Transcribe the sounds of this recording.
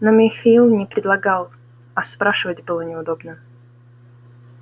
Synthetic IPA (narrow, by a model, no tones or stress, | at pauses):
nomʲɪxailˠnʲɪpɾʲɪd̪lˠɐɡalˠ | ɐspɾaʂɨvətʲbɨlˠənʲɪʊd̪obnə